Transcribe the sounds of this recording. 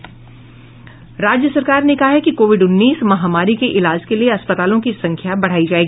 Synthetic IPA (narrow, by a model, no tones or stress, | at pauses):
ɾaːd͡ʒjəsɐɾkaːɾnekɐɦaɦɛkikoːʋɪɖʊnːiːsmɐɦaːmaːɾikeʔɪlaːd͡ʒkelieɐspət̪aːlõkisɐ̃ŋkʰjabɐɽ̤aːid͡ʒaːeːɡiː